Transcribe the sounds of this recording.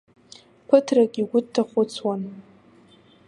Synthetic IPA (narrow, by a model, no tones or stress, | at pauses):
kʷʰʊtʰrakʲʼiɡʷʊdtʰːaχʷʊt͡sʰwan